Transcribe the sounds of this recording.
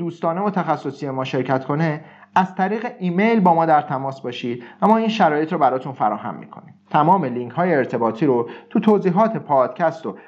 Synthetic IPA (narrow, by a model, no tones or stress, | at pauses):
d̪uːst̪ɒːne̞vot̪ʰæxæsːo̞sije̞mɒːʃe̞ɾcʰæt̪kʰo̞ne̞ | æz̥t̪ʰæɾiːɣeʔiːmejlbɒːmɒːd̪æɾt̪ʰæmɒːsbɒːʃiːd̪̚væmɒːiːnʃæɾɒːje̞t̪ʰɾɔːbæɾɒːt̪ʰunfæɾɒːhæ̰mːḭːkʰo̞̰niːmt̪ʰæmɒːmeliŋcɦɒːjeːɾt̪ʰe̞bɒːt̪ʰiːɾot̪ʰut̪ʰoːziːɦɒːt̪ʰe̞pʰɒːd̪̥cʰæst̪o